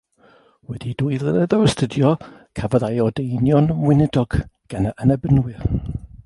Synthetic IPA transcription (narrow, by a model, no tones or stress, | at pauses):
wɛdidʊjðənɛðɔəstʰədjɔkʰavəðajɔdejnjɔnwɪnədɔɡ̥ɡ̥anaʔənɛbənwɪr